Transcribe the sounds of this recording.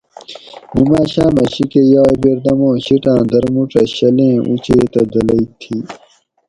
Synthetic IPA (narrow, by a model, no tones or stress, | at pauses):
nimaːɕãːmɐɕikejaːbeːɾd̪ɐmõːɕiʈãːd̪ɐɾmuʈ͡ʂɐɕɐlẽːʔṵt͡ɕeːt̪ɐd̪ɐlɐit̪ʰi